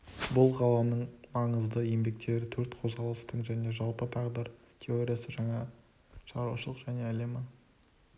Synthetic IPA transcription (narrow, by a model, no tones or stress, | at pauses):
bʊlˠqʰɑlˠɑnəɴmɑɴəzd̪əje̞mbe̞k̚t̪e̞ɾɪt̪ʰɵɾt̪qʰo̞zʁɑlˠəst̪əɴʒæne̞ʒɑlˠpət̪ʰɑʁd̪əɾ | t̪ʲʰe̞o̞ɾʲijasəʒɑɴɑ | ʃɑɾaʃəlˠəqʒæne̞æle̞mɪ